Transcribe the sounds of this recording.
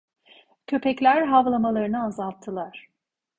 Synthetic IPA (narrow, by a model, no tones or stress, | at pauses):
cʰø̞pɛclʲæɾɦavlˠamalˠaɾɯnɯazalˠt̪ʰːɯlˠaɾ̝̥